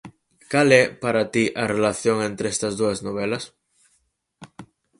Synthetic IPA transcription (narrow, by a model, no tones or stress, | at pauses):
kalepaɾat̪iʔarelaθjo̞ŋẽ̞nt̪ɾeest̪azðuaznoβ̞elas